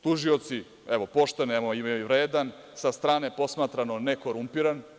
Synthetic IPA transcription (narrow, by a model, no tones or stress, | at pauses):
t̪uʒio̞t̪si | ɛʋo̞po̞ʃt̪enemoiiʋɾeːd̪an | sast̪ɾaːnepo̞smat̪ɾano̞neko̞ɾumpiɾan